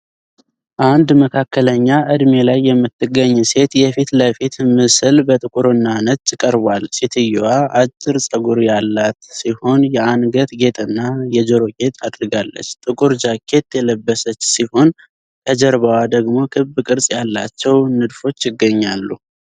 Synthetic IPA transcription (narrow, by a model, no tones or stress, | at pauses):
ʔand̪məkʰakːələɲːaʔɨd̪me̞lajːɛmːɨt̪ːɨɡːəɲːse̞t̪jɛfit̪ləfit̪mɨsɨlbət̪ʼɨkʼuɾɨnːanət͡ʃʼːɨkʼəɾbalset̪ʰɨjːuwaʔat͡ʃʼːɪɾsʼəɡuɾjalːat̪siho̞njɛanɡət̪ɡe̞t̪ʼɨnːajɛd͡ʒəɾo̞ɡe̞t̪ʼad̪ɾɨɡalːə̰t͡ʃːt̪ʼɨkʼuɾd͡ʒakʰe̞t̪jɛləbːəsət͡ʃːsiho̞n | ʔəd͡ʒəɾβəwad̪əɡmo̞kʰɨbɨkʼɨɾsʼjalːa̰t͡ʃːɛwnɨd̪fo̞t͡ʃːjɪɡːəɲːalːu